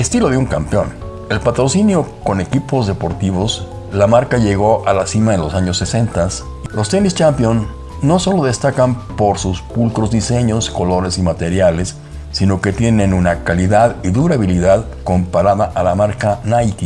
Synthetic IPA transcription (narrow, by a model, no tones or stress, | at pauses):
est̪ilo̞ðeuŋkampeo̞n | e̞lpat̪ɾo̞sinjo̞ko̞ne̞kipo̞zðe̞po̞ɾt̪iβ̞o̞s | lamaɾkaʝe̞ɣ̞o̞ʔalasimaðelo̞saɲo̞sːe̞se̞nt̪as | lo̞st̪e̞nist͡ʃampjon | no̞so̞lo̞ðe̞st̪akampo̞ɾsuspulkɾo̞zðise̞ɲo̞sko̞lo̞ɾe̞simat̪e̞ɾjale̞sː | ino̞ke̞t̪je̞nẽ̞nunakaliðaðiðuɾaβiliðað | ko̞mpaɾaðaʔalamaɾkanajt̪i